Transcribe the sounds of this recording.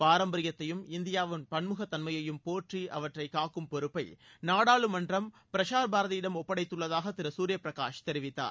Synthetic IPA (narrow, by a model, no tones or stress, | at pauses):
paːɾɐmbɐɾɪjɐt̪ːɐjɯmɪnd̪ɪjaːʋɯnpɐnmɯɣɐt̪ːɐnmɐjɐjɯmpoːʈriʔɐ̰ʋɐʈrɐɪkːaːkːɯmpɔɾɯpːɐɪ | naːɽaːɭɯmɐndrɐm | pɪɾɐʂaːɾbaːɾɐðɐjɪɽɐmɔpːɐɽɐɪt̪ːɯɭːɐðaːɣɐt̪ɪɾɐsuːɾɪjɐpɪɾɐka̰ːʂt̪ɛɾɪʋɪt̪ːa̰ːɾ